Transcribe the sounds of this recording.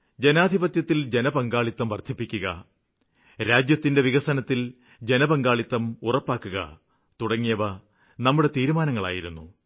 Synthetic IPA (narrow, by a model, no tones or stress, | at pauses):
d͡ʑe̞naːd̪ʱibɐt̪jɐt̪ːild͡ʑe̞nɐbɐŋɡaːɭit̪ːɐmʋɐrt̪ʰipːikʲːuɣɐ̰ | ɾaːd͡ʑjɐt̪ːinde̞ʋiɣɐsɐnɐt̪ːil | d͡ʑe̞nɐbɐŋɡaːɭit̪ːɐmurɐpːaːkːuɣɐ̰ | t̪uɽɐŋːijɐʋɐ | nɐmːuɽe̞t̪iːɾumaːnɐŋːɐɭa̰ːjiɾunːu